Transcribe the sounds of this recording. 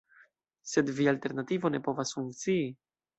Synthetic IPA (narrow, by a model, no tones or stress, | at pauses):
se̞dvialte̞ɾnativo̞ne̞po̞vasfuŋkt͡siː